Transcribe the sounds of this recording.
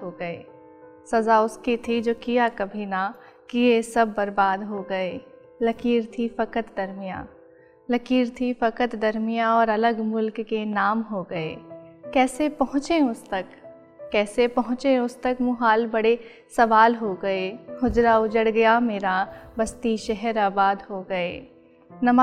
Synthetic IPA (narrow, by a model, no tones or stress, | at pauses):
ɦoɡɐeː | sɐzaʊskit̪ʰid͡ʒoːkijakɐbʱinakiesɐbːɐɾbaːd̪ɦoɡɐeː | lɐkiːɾt̪ʰifɐkət̪d̪ɐɾmijã̰ː | lɐkiːɾt̪ʰifɐkət̪d̪ɐɾmijãɔːɾɐləɡmʊlkːenaːmɦoɡɐḛːkɛːsepɐɦʊ̃t͡ʃẽʊst̪ɐkː | ɛːsepɐɦʊ̃t͡ʃẽʊst̪ɐkmũɦaːlbɐɽe | sɐʋaːlɦoɡɐehʊd͡ʒɾaʊd͡ʒəɽɡɐjameːɾabɐst̪iʃɛɦɛɾaːbaːd̪ɦoɡɐeː | nɐma